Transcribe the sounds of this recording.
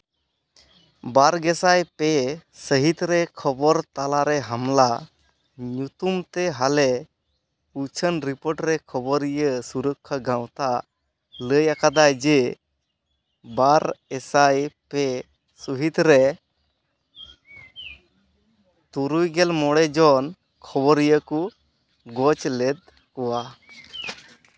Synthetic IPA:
baɾɡɛsajpɛsəɦit̪ɾɛkʰɔbɔɾt̪alaɾɛɦamla | ɲut̪umt̪ɛɦalɛ | ut͡ʃʰənɾipɔɾʈɾɛkʰɔbɔɾijəsuɾəkʰːəɡãw̃t̪a | ləjakad̪ajd͡ʒɛ | baɾɛsajpɛ | suɦit̪ɾɛ | t̪uɾujɡɛlmɔɽɛd͡ʒɔn | kʰɔbɔɾijəku | ɡɔt͡ʃlɛd̪̚ | kɔwa

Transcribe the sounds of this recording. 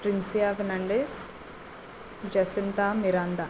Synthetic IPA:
pɾinsijaʋnɐɳɖes | d͡ʒɐsint̪aːmiɾaːnd̪a

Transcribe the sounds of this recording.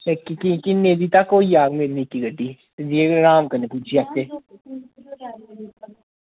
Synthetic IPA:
kikikineːd̪it̪akoːijaːɡmeɾnikiɡəɖi | d͡ʒieɾaːmkɐnepuːt͡ʃʰiaːke

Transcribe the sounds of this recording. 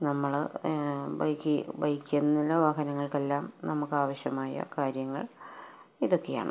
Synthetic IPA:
nɐmːɐɭ | bɐjkːɨbɐjkːenːilːɐʋaːɦɐnɐŋːɐɭke̞lːaːmnɐmukːaːʋɐɕjɐmaːjɐ̰kaːɾjɐŋːɐ̰ɭ | iðo̞kːe̞ja̰ːɳɨ̰

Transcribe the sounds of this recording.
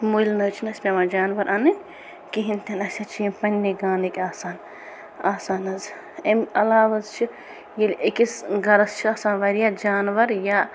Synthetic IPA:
mujlnɐːt͡ʃʰinɐsʲmʲemaːd͡ʒaːnʋɐɾʔɐnɨ | kiɦint̪ʲɐnɐsʲɐt͡ʃʰiemʲpɐnʲːiɡaːnekʲaːsaːn | aːsaːnɐz | emɐlaːʋɐzt͡ʃʰi | jilʲekisɡɐɾɐst͡ʃʰiaːsaːnʋɐɾijad͡ʒaːnʋɐɾja

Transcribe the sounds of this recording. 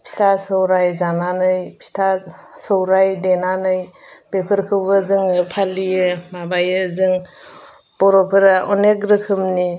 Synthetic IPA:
pʰi̥tʰasɯwɾajzananɯjpʰi̥tʰasɯwɾajdenanɯjb̥epʰɯɾkʰɯwbɯzɯŋɯpʰalijɯmabajɯzɯŋ | b̥ɔɾɔpʰɯɾaʔɔnekɾɯkʰɯmni

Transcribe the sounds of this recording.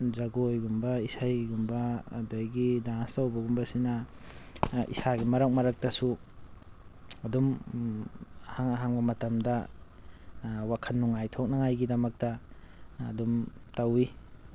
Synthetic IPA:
zaɡojɡumbɐisajɡumbɐdojɡidaŋstawbɐɡumbɐsina | ḭsaɡimɐɾak̚maɾak̚tɐsu | ɐdum | haŋɦaŋbɐmɐtɐmdɐ | wakʰɐnːuŋajtʰɔk̚naŋajɡidɐmɐk̚tɐ̰ː | dum | tawi

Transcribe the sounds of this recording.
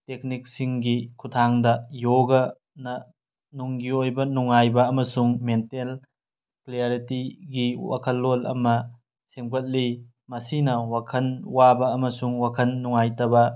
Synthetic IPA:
tek̚nik̚siŋɡikʰutʰaŋdɐjoɡɐ | nɐ | nuŋɡiojbɐnuŋajbɐːmɐsuŋmentel | kleaɾitiɡiwa̰kʰɐlːolɐ̰mɐ | semɡɐt̚li | mɐsinɐwakʰɐnwabɐːmɐsuŋwakʰɐnːuŋajtɐbɐ

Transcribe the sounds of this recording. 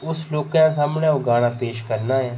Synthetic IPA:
ʊsloːkãːsaːmɳãːoɡaːɽ̃aːpeːʃkəɾnaːɦɛː

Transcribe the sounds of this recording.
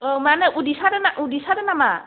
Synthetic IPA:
omanɛʔudisadɛnaʔudisadɛnama̰

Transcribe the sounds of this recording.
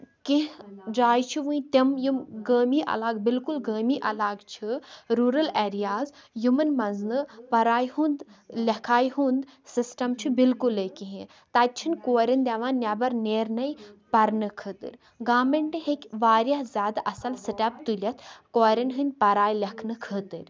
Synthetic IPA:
kiɦd͡ʒaːjt͡ʃʰiʋũĩt̪ɐmjumɡəːmiːʔɐ̰laːɡbilkulɡəːmiːʔɐlaːɡt͡ʃʰiɾuːɾɐleːɾijaːzjumɐnmɐnznɨpɐɾaːjhũnd̪lʲɐkʰaːjɦund̪sisʈɐmt͡ʃʰibilkulekʲiɦĩ | t̪ɐt̪̚ʲt͡ʃʰinʲkoːɾʲɐnd̪ʲaʋãːnnʲːabɐɾneːɾnɐjpɐɾnɨkʰət̪ɨ̰ɾʲ | ɡaːmeɳʈiɦekʲʋaːɾʲjaɦzʲaːd̪ʔɐsɐlsɨʈʲɐpt̪ulʲɐt̪ʰkoːɾɐnɦɨnʲpɐɾaːjlʲɐkʰnɨkʰət̪ɨɾʲ

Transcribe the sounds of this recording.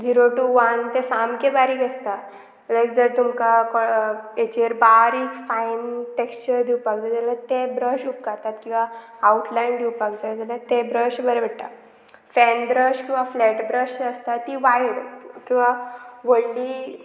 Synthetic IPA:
d͡ʑiɾoʈuʋant̪esamkebaɾiːkəst̪a | lajkd͡zəɾt̪umkakɔet͡ɕəɾbaɾikfainʈekst͡ɕəɾd̪iwpakd͡zad͡zɛlat̪ebɾəɕup̚kaɾt̪at̪kĩw̃ʋaː | uʈʰlaind̪iwpakd͡zad͡zalat̪ebɾəɕbəɾebʱəɽʈ̪a̰ | fɛnbɾəɕkĩw̃ʋaflɛʈbɾəɕəst̪at̪ːiːʋajɽə̰tkĩw̃ʋaʋəɽliː

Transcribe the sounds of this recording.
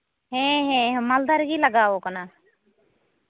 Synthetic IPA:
ɦẽːɦẽːɦmald̪aɾɡiːləɡaːʋoːkənaː

